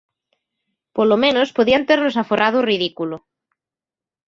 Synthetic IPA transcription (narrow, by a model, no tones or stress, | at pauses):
polomẽnospoðiant̪eɾnosaforað̞oriðikulo